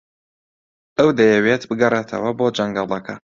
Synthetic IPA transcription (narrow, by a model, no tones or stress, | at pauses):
ɐwd̪ɐjɛweːt̪bɨɡɐreːt̪ʰɐ̰wɐboːd͡ʒɐŋɡɑːlˠɐkʰɐ